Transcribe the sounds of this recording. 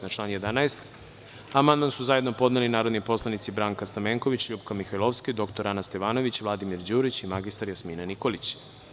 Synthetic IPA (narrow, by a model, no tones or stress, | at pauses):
nat͡ʃlˠaːnjed̪anaest̪ | amand̪mansuzajed̪nopod̪nelinaːɾod̪nipo̞slˠanit̪sibɾaŋkast̪ameːŋko̞ʋit͡ɕʎubkamixajlˠoʋskid̪o̞kt̪oɾanast̪eʋaːno̞ʋit͡ɕvlˠad̪imiɾd͡ʑuːɾit͡ɕimaɡist̪aɾjasmiːnaniko̞lit͡ɕ